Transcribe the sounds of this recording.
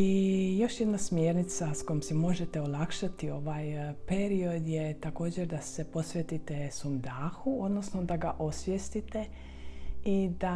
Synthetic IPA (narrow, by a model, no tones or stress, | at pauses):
ijo̞ʃjed̪nasmjeːɾnit̪sasko̞jimsemo̞ʒet̪eolˠakʃat̪io̞ʋaːjpe̞ɾio̞d̪jet̪ako̞ːd͡ʑeɾd̪ase̞po̞sʋjet̪it̪esumd̪aːxuo̞d̪no̞snod̪aɡaʔo̞sʋjest̪it̪e̞ | id̪a